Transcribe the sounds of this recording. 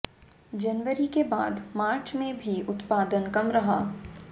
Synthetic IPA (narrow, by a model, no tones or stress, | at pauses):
d͡ʒɐnʋəɾikebaːd̪maːɾt͡ʃmẽbʱiʊt̪paːd̪ənkɐmɾɐɦaː